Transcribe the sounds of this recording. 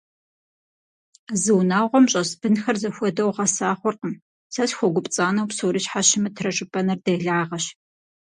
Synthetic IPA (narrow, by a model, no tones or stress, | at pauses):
zɨwnaːʁʷɔmɕʼɐsb̥ɨnxɐrzɐxʷɔdɐwʁɐsaːχʷɔrqəm | sɐɕxʷɔɡʷʊpʼt͡sʼaːnɐwpsoːɾiʃħaʃɪmɨtʰrɐʈ͡ʂʼɪpʼɐnɐrdɐjɮaːʁɐɕ